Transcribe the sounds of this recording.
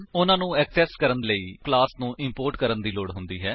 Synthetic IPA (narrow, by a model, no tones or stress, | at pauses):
ʊnãːnũːɛːksɛːskəɾənləiːklaːsnũːʔɪmpoːɾʈkəɾənd̪iːloːɽɦʊnd̪iːɦɛː